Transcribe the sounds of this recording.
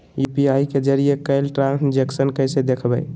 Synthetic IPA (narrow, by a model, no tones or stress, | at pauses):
jupiaiked͡ʒəɾijekəɪlʈɾãnsd͡ʒeksənkəɪsed̪ekʰbə̰ɪ